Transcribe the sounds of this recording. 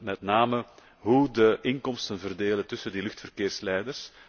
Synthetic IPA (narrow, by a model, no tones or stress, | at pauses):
mɛtnaːmə | ɦudəʔɪŋkɔmstənvərdeːlətʏsəndilʏxtfərkeːrslɛjdərs